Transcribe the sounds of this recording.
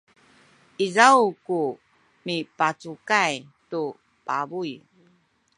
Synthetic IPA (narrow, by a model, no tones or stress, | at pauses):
izawku | mipat͡sukajtu | pabuj